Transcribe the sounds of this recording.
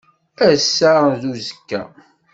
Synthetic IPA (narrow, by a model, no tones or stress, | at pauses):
æsːaɾðuzəkːæ̰